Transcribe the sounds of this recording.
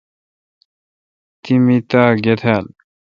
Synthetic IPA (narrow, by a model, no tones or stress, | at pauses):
t̪imit̪aːɡet̪ʰal